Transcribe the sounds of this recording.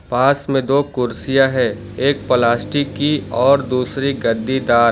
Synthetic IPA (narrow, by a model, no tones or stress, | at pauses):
paːsmẽd̪oːkʊɾsijaɦɛ | eːk̚pəlaːsʈikiɔːɾd̪uːsɾiɡɐd̪ːid̪aːɾ